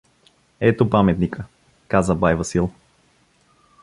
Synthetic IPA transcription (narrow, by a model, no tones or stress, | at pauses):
ɛt̪opamɛt̪nikə | kazəbajvɐsilˠ